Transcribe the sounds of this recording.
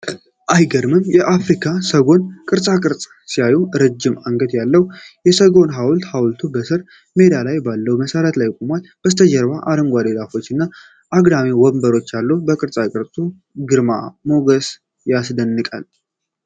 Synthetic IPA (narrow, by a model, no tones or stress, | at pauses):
ʔajɡəɾmɨnjɛʔafɾikʰasəɡo̞nkʼɨɾsʼakʼɨɾt͡sʼ | siajuɾəd͡ʒːɪmaŋɡəd̪jalːəwjɛsəɡo̞nɦawlt̪hawlt̪ʰubəsɨɾ | med̪alajbalːəwməsəɾət̪lajkʼomwalb̥əst̪ʰəd͡ʒəɾbaʔaɾəmɡʷad̪elafo̞t͡ʃːɨnːa | ʔaɡd̪amewɔmbəɾo̞t͡ʃːjalːubəkʼɨɾsʼakʼɨɾt͡sʼu | ɡɨɾma̰moɡəs | jasd̪ənːɨkʼa̰l